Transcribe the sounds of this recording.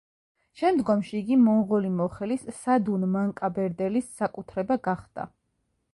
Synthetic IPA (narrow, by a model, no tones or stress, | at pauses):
ʃɛmd̪ɡɔmʃiːɡimɔŋʁɔlimɔχɛlissad̪unmaŋkʼabɛɾd̪ɛlisːakʼut̪ʰɾɛbaɡaχd̪̥a̰